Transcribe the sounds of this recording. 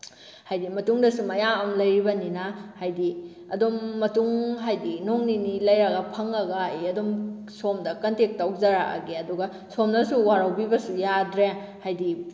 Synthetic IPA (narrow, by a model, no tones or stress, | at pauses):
hajdimɐtuŋdɐsumɐjamɐmlɐjɾibɐninahajdi | ɐ̰domːɐtuŋɦajdinoŋninilɐjɾɐɡɐpʰɐŋɐɡaiɐdom | somdɐkɐntek̚tawzaɾa̰a̰ɡeɐduɡɐ | somnɐsuwaɾawbibɐsujadɾe | hajdi